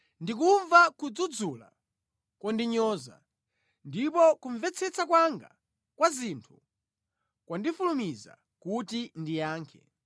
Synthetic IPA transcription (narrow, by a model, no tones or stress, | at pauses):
ndik̬uɱvakud͡zud͡zula̰ | kwɔndiɲɔːza̰ | ndipɔkuɱvɛt͡sʰɛt͡sakwaŋɡa̰ | kwazintʰu̥ | kwandifulumiza̰ | kutindijaːŋkʰɛ